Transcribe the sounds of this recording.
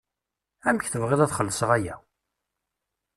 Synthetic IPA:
æmçθəvʁɪðæθχəlːəsəʁæjæ̰

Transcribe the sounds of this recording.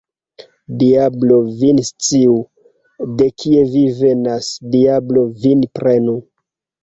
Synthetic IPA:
diablo̞vinst͡siu | de̞kʰie̞vive̞nasdiablo̞vinpɾenu

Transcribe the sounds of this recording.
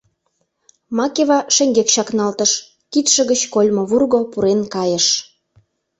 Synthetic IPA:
mɑkeβɑʃeŋɡekʃɑknɑlt̪əʃ | kit̪ʃə̆ɣət͡ɕkolʲmoβurɣopuɾenkɑjə̆ʃ

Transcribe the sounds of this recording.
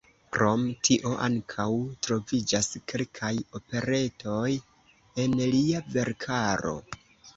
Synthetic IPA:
kɾo̞mtʰiʔo̞ʔa̰ŋkʰawtɾo̞vid͡ʒaske̞lkʰajo̞pe̞ɾe̞tʰo̞j | e̞nliave̞ɾkʰaɾo̞̰

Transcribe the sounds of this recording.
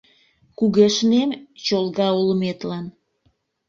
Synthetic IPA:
kuɣeʃnemt͡ɕolɣɑuləmet̪lɑn

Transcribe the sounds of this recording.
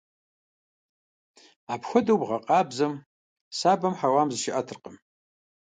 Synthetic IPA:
aːpxʷɔdɐwbʁɐqʼɑːbzɐm | saːbɐmħawaːmzɨʃɪʔɐtʰɨrqəm

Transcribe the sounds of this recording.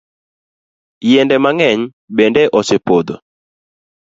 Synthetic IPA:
jɛndɛmaŋɛɲ | bɛndɛʔɔsepod̪o

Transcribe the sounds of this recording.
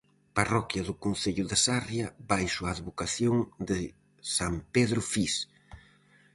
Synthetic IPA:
parɔkjɐðʊkon̟θeʎʊðasarjɐbajʃʊaːðβokaθjoŋd̪ɪ | sampeðɾʊfis

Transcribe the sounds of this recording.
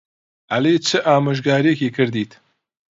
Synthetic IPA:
ʔɐleːt͡ʃʰɨʔaːmɨʒɡaːɾekiːkʰɨɾd̪iːt̪

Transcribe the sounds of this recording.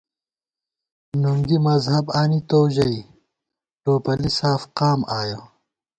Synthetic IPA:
nuŋɡimɐzhɐbaːnit̪oːʑɐi | ʈoːpɐlisaːfqaːmaːjo

